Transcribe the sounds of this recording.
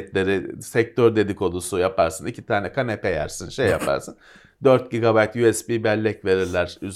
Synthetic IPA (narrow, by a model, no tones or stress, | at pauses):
t̪lʲe̞ɾɪsɛc̚t̪ʰøɾd̪e̞d̪iko̞lˠusujapʰaɾsɯnicʰit̪ʰaːnɛkʰanepʰejæ̰ɾsɯnʃejːa̰pʰa̰ɾsɯn | d̪øɾt̪̚ɟiɡabajt̪juɛsbibælʲːɛcve̞ɾiɾlʲæɾ̥yz